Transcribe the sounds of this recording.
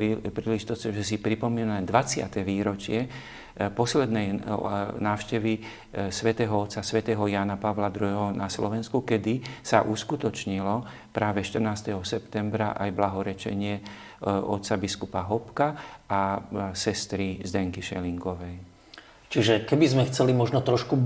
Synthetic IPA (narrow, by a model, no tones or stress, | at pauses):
pɾiːliʒit̪ɔsɲɛʒɛsipɾipɔmiːnad̪ʋat͡sɪa̰t̪ɛʋiːɾɔt͡ʃɪɛ | pɔslɛd̪nɛj | naːʊʃcɛʋi | sʋɛt̪ɛːɦɔɔt̪sasʋɛt̪ɛːɦɔjaːnapaʋlad̪ɾuɦɛɦɔnʔaslɔ̰ʋɛnskukɛd̪isa̰ʔuskut̪ɔt͡ʃɲilɔ | pɾaːʋɛʃt̪ərnaːst̪ɛɦɔsɛpt̪ɛmbɾaʔajblaɦɔɾɛt͡ʃɛ̰ɲɪɛ | ʔɔt̪sabiskupaɦɔpkaasɛst̪ɾizd̪ɛŋkiʃɛ̰liŋkɔʋɛj | t͡ʃiʒɛkɛbizmɛxt͡sɛlimɔʒnɔt̪ɾɔʃku